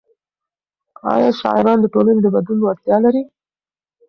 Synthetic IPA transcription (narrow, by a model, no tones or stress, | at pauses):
ɑ̰jɑʃɑ̰ɪɾɑnd̪əʈolaned̪əbad̪lunwaɡt̪jɑlaɾi